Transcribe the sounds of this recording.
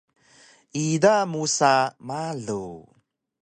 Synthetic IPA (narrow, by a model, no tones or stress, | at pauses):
idamusamaɮu